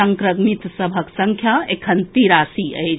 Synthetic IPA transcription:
əŋkɾəɡmit̪səbʱəksəŋkʰjaekʰənt̪iɾasiə̰jt͡ʃ

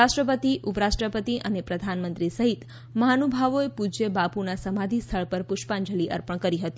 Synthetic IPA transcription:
aʃʈɾəpət̪iʔupɾasʈɾəpət̪iʔənepɾəd̪ʱanmənt̪ɾisəɦit̪ | məɦanobʱaʋoepud͡ʒebapunasəmad̪ʱist̪ʰəɭpəɾpʊʃpãɲd͡ʒəliʔə̰ɾpəɳ̃kəɾiɦət̪i

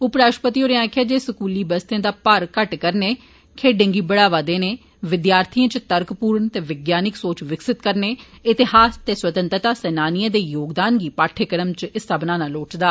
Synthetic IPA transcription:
ʊpɾaːʃpət̪iːoːɾeãːkʰjaːd͡ʒeːsəkuːliːbəst̪ẽːd̪aːpəɾkəʈkəɾneː | kʰeːɖẽːŋɡiːbəɽaːʋaːd̪eːneː | ʋɪd̪jaːɾt̪ʰiãːt͡ʃt̪əɾkpuːɾəɳt̪eːʋɪɡjaːnɪksoːt͡ʃʋɪksɪt̪kəɾneːɪt̪ɪhaːst̪eːswət̪ə̃nt̪ət̪aːsɛːnaːnɪjãːd̪eːjoːɡd̪aːnɡiːpaːʈʰeːkəɾəmt͡ʃɪsabnaːnaːloːʈd̪aː

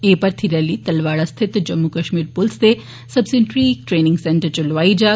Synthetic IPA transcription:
eːpɐɾt̪ʰiɾɐlit̪ɐlʋaːɭɐst̪ʰit̪d͡ʒɐmːukɐʃmiːɾpulsd̪e | sɐbsinʈɾiːʈɾeːniŋɡseɳʈɐɾt͡ʃulʋaːid͡ʒa

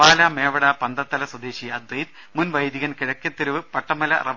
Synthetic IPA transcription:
aːlaːmeːʋɐɽapɐnd̪ɐt̪ːɐlɐswɐd̪eːɕijɐd̪wɐjd̪ | munʋɐjd̪iɣɐnkiɻɐkʲːɐt̪ːiɾuʋɨpɐʈːɐmɐlɐ̰rʔɐʋ

